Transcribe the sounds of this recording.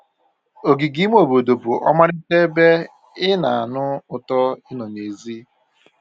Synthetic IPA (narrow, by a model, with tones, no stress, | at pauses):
o˨ɡi˨ɡi˦m˦o˨bo˨do˨bʊ˨ʔɔ̰˦ma˦ɾɪ˦te˦be˦ | ɪ˦na˨a˨nʊ˦ʊ˨tɔ˦ɪ˦nɔ˨ne˨zi˦